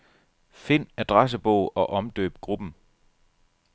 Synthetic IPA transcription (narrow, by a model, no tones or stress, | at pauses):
fe̝n̰æd̥ʁas̬əb̥ɔʊ̰ɒ̽ʔɒ̽md̥ø̰ːb̥̚ɡ̥ʁub̥n̩